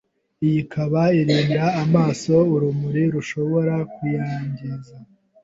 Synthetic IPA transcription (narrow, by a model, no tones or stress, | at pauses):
ijikʰaβaiɾiːndaːmaːso̞uɾumuɾiɾuʃo̞βo̞ɾakujaːɲɟiza